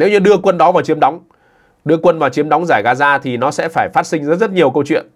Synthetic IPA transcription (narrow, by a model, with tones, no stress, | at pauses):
ne˨˦wɲɨ˧ɗɨ˧əkwə˧nɗɔ˨˦vaː˨˩wt͡ɕi˨˦əmɗɔ˨˦wŋ͡m | ɗɨ˧əkwə˧nvaː˨˩wt͡ɕi˨˦əmɗwŋ͡mzaː˧˩jɣaː˧zaː˧t̪ʰi˨˩nɔ˨˦sɛ̰˧˥faː˧˩jfaː˦˥t̚sï˧ŋ̟zːt̚zə˦˥t̚ɲi˨˩əwkə˧wt͡ɕwḭ˧˨ən